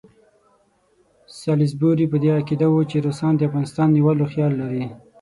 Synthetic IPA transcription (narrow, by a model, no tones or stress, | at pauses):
sɑlɪs̬buɾipəd̪eakid̪awot͡ʃeɾosɑnd̪əafɣɑnɪst̪ɑnːiwaloxjɑlːaɾi